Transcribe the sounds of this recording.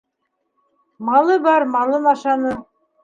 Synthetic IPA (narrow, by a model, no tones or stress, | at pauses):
mɑlˠɤbɑɾmɑlˠɤnɑʃɑnɤ